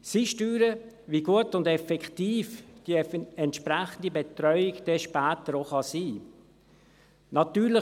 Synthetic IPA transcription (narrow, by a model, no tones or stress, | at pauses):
siʃtyːɾə | viɡuətʊndɛfɛktiːfd̥iɛntʃpɾɛχən̩dibet̪ɾœʏɪɡd̥eʃpæːt̪əɾoχɑsiː | nɑt̪yːɾlɪ